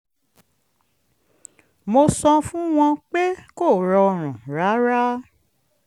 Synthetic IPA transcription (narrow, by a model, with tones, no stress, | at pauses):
mo˧sɔ̃˧fũ˦w̃ɔ̃˧k͡pe˦ko˦˨ɾɔ˧ɾ̃ũ˨ɾa˨˦ɾa˦